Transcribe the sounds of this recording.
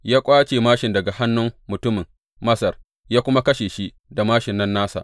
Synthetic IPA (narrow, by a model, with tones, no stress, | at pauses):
jaː˦kʷʼaː˦t͡ʃeː˨maː˦ʃɪ˨ndɐ˨ɡa˨ha˦nːʊ˦mmʊ˨tʊ˦mɪ˨ŋ | mɐ˦sɐ˨r | jaː˦kʷʊ˦ma˦kɐ˦ʃeː˨ʃi˦ | da˨maː˦ʃɪ˨nːɐ˦nːaː˦sa̰˨ʔ